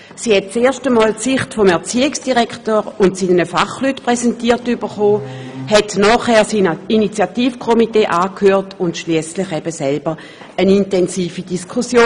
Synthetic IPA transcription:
siːhɛt̚t͡seːɐʃtəmɔːlsɪχtfɔmɛɐt͡siːɪksd̥iʁɛktoːʁʊntsiːnnəfaχlytpʁɛsɛntiːɐtyb̥əχoːhɛtnɔːχhɛːɐsininit͡sjatiːfkʰomiteːʔaːkʰhøːʁtʊntʃliəslɪχɛb̥əsɛlbəʁ | ənintɛnsiːfidiskʰusjoː

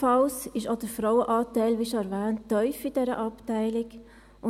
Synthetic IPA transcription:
fɑlsɪʃɑd̥əfɾawəʔɑːtæɪlʋiʃoæɾvæːntːœʏfɪd̥ɛɾə̰ʔɑptæɪlɪk | ʔʊ

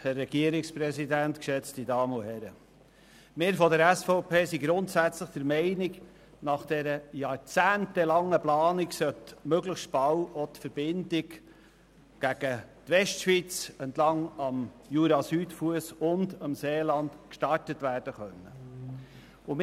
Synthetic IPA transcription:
hærːɛɡ̥iəɾɪkspɾɛsidænt̪kʃɛt͡stidɑːməohɛɾə | mɪɾfɔdəɾæsfɔʊpʰeːsiɡɾʊntsæt͡sləχd̥əɾmɛɪnɪɡ | nɑχd̥ɛɾəjɑːɾt͡sæːntɛlɑŋːəplɑːniksœtmøɡləχʃtb̥ɑwɔt̪fəɾb̥ɪndɪɡ | ɡ̥æɡ̥ət̪ʋɛstʃʋit͡sɛntlɑŋɑm | juːɾɑsyːtfuəsʊndɑmseːlɑnd̪kʃtɑrtətʋæːɾd̥əχœnːə | ʊm

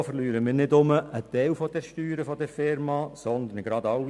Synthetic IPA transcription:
fəɾlyːɾəmɪːɾnɪdʊməʔət̪ɛɪwfɔd̥ɛɾʃtyːɾəfɔd̪ɛɾfɪɾmɑsɔnd̪ənɡɾɑd̪ɑw

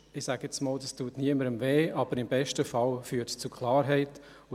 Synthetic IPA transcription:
ɪsaːɡɛt͡smoːldɑstuːtniəməɾəmveːʔɑb̥əɾɪmbɛʃtəfɑlfyːtst͡sukʰlˠɑːɾɦɛɪt | ʊ

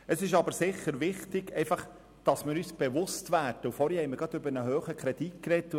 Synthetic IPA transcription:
əsɪʃɑbəɾsɪχːəɾʋɪχtɪɡɛɪfɑχ | d̥ɑsmɪːɾyːsb̥eʋʊstʋæːɾd̥əufɔːɾhɛhɛɪmɪɡ̥ɑd̪ʏbəɾnəɦøːχəkχɾɛdit̚kɾɛtː

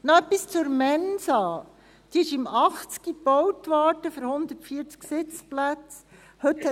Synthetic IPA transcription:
nɔœpːist͡sʊɾmɛnsɑː | d̥iɪʃɪmɑχt͡skib̥ɔwtʋɑːtəfəɾhʊnd̪ətfiːəɾt͡sksɪt͡splæt͡s | hɵt̪hɛ

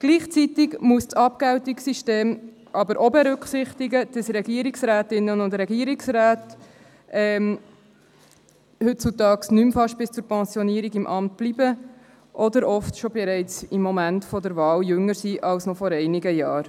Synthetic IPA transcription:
ɡ̥liːχt͡sit̪ɪɡmuəst͡sɑp̚kæwtɪksiʃteːm | ʔɑbəɾʔɔbɛɾʉkχsɪχtɪɡəd̥ɑsɾɛɡiːɾiksɾæːtɪnːənʊndɾɛɡiəɾiksɾæːt | ʔɛm | hɵt̚t͡sutɑːksnymfɑʃtb̥ɪst͡suːɾpɛnsjɔniəɾiɡɪmʔɑmt̚b̥libə | ʔɔdəɾɔftʃɔbɛɾɛɪt͡sɪmːɔmæntfɔdəɾvɑːljʏŋəɾsiʔɑlsnɔfɔɾɛɪnɪɡəjɑːɾ

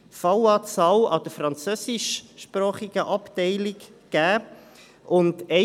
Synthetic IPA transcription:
fɑwɑːt͡sɑːwɑ̰d̥̪əfɾɑnt͡søːsɪʃʃpɾɑːχiɡ̥əʔɑptɛɪlɪkɡ̥æː | ʔʊndɛ

